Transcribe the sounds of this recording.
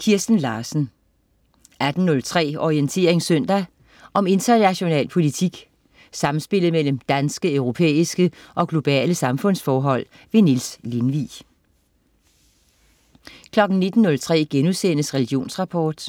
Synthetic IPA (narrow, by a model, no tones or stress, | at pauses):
kʰiɐsd̥n̩lɑ̈ːsn̩ | ʔæd̥n̩nɔ̽lt͡sʰʁɛ̰ːɒʁient͡sʰe̝̰ːɐ̰eŋsœn̰d̥æ | ʔɒ̽me̝nd̥ɐnæɕo̝nɛ̰ːlpʰo̝lit͡sʰiɡ̥ | sɑ̈mn̩sb̥e̝l̰ð̩ˠmel̰m̩d̥ænsɡ̥əœʊʁo̝pʰḛːisɡ̥əʔɒ̽ɡ̥lo̝b̥ɛ̰ːləsɑ̈mfɔ̽n̰sfɒːɦɒ̽l̰ | ʋe̝nilslinʋḭ | kʰlɒ̽ɡ̥n̩ne̝d̥n̩ːɔ̽lt͡sʰʁɛ̰ːɡ̥enuðˠsen̰əsʁɛliɡ̥jo̝̰ːnsʁɑ̈pʰɒːd̥